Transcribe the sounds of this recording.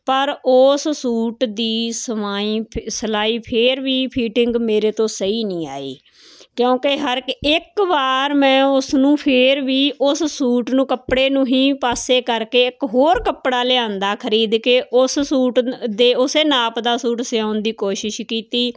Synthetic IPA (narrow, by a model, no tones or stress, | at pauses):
pəɾʊssuːʈd̪iːsəmaːiːsəlaːiːpʰɪɾʋiːpʰiːʈɪŋɡmeːɾeːt̪õːsəiːnĩːa̰ːḭː | kjõːkeɦəɾɪkʋaːɾmɛ̃ːʊsnũːpʰɪɾʋiːʔʊssuːʈnũːkəpɽeːnũːɦĩːpaːseːkəɾkeːɪkɦoːɾkəpɽaːleãːnd̪aːkʰəɾiːd̪keːʔʊssuːʈd̪eːʊseːnaːpd̪aːsuːʈsɪãːʊnd̪iːkoːʃɪʃkiːt̪iː